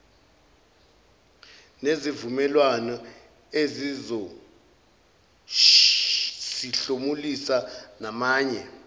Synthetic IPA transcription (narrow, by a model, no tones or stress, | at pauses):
nezivumɛlwanɔ | ezizo | siɬomulisanamaːɲɛ